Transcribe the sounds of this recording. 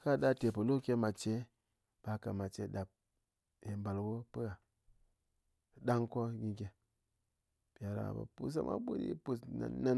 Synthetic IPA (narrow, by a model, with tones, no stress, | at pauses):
ka˦ɗa˦˧te˨pu˨lo˦kʲe˧˦ma˨t͡ʃe˨˦ | b̥a˧ka˨ma˨t͡ʃe˨˦ɗa˨p̚ | je˨mba˨lwo˦pɨ˦a˨ | ɗa˦ŋko˦ɡʲi˧kʲe˨ | pa˨ɾa̰˨ba̰˨pṵ˦s̬a̰˦mʔa̰˦ɓu˦ɾḭ˦pu˨sna̰˨nːa˦n